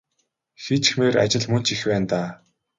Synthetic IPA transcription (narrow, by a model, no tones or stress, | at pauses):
xet͡ɕxmeːɾa̰t͡ɕɪ̆ɮmɵn̥t͡ɕixpæːnt̪aː